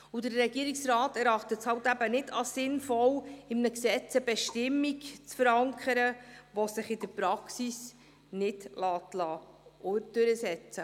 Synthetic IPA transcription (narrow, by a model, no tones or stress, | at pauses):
udəɾːɛɡiːɾiksɾɑːtɛɾɑχtətshɑwtæbənɪdɑsɪnfɔwɪmnəksɛt͡səbɛʃtɪmːikt͡sfəɾɑŋkʰəɾəʋɔsɪχɪd̥əɾpɾɑksis | nɪd̥lɑːtlɑːʔod̥ʏɾəsɛt͡sə